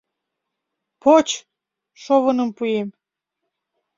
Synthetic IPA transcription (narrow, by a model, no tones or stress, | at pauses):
pot͡ɕ | ʃoβɤnə̆mpujem